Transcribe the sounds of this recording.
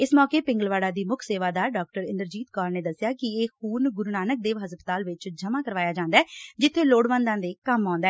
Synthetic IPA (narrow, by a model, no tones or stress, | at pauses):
ɪsmɔːkeːpɪ̃ŋɡəlʋaːɽaːd̪iːmʊkʰseːʋaːd̪aːɖɔːk̚ʈəɾɪnd̪əɾd͡ʒiːt̪kaːɾneːd̪əsːɪjaːkɪeːxuːnɡʊɾuːnaːnək̚d̪eːʋɦəspət̪aːlʋɪt͡ʃd͡ʒəmaːkəɾʋaːjaːd͡ʒãːnd̪aɛːd͡ʒɪt̪ʰːeːloːɽʋə̃nd̪ãːd̪eːkəmɔ̃ːnd̪aɛː